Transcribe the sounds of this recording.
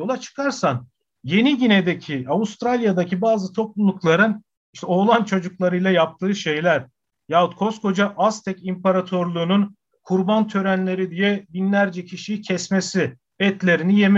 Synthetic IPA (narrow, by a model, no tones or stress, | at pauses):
olˠat͡ʃʰɯ̥kʰaɾsan | je̞niɟined̪ecʰiavust̪ɾalʲjad̪acibaːzɯt̪ʰo̞plˠulˠuklˠaɾɯn | iʃt̪ɛo̞ːlˠant͡ʃʰo̞d͡ʒuklˠaɾɯjlˠajap̚t̪ʰɯːʃe̞jlʲæɾ̥ | jaut̪̚kʰo̞skʰo̞d͡ʒaʔast̪ʰɛcimpʰaɾat̪ʰo̞ɾlˠuːnun | kʰuɾbant̪ʰø̞ɾænlʲe̞ɾid̪ijɛbinlʲæɾd͡ʒɛcʰiʃijicʰɛsmesi | ɛt̪lʲe̞ɾinije̞m